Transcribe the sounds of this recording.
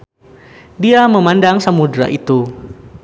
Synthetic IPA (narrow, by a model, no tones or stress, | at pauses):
diaməmandaŋsəmudɾa̰ʔit̪u